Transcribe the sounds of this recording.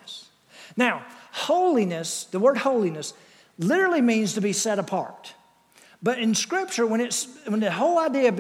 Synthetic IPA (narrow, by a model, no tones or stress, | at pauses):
s | naʊhoʊlˠinɨsðəwɜ˞d̚hoʊlˠinɨs | lɪɾə˞l̩ˠimĩnz̥tʰɨbisɛɾəpʰɑ̰ɹt̚ | b̥ʌɾɨ̃nskɹɪp̚t͡ʃə˞wə̃ñɨtswə̃nðɨɦoʊlˠaɪdiɨb